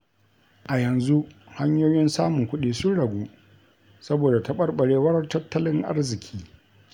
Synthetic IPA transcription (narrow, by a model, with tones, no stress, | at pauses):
ʔa˨jɐ˨nzu˦ʔha˦ɲjoː˦jɪ˦nsaː˦mʊ˨ŋkʷʊ˦ɗiː˨sʊ˦nɽɐ˨ɡʷuː˦ | sɐ˦boː˨da˨tɐ˦ɓɐ˦rɓɐ˨ɽeː˦wɐ˦ɾrtɐ˦tʰːɐ˦lɪ˦ŋʔa̰˦rzɪ˨kʲʰiː˦